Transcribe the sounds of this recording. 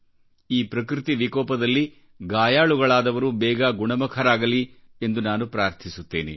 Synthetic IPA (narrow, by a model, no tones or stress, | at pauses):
iːpɾɐkɾit̪iʋikɔːpɐd̪ɐlːi | ɡaːjaːɭuɡɐɭaːd̪ɐʋɐɾubɛːɡɐɡuɳɐmɐkʰɐɾaːɡɐli | e̞nd̪unaːnupɾaːɾt̪ʰisut̪ːeːnḛ